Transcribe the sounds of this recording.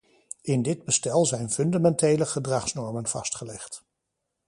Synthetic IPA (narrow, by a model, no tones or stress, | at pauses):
ʔɪndɪd̚bəstɛlˠzɛjnfɵndamɛntejləχədrɑχsnɔɹmənv̥ɑ̰stχəlɛχt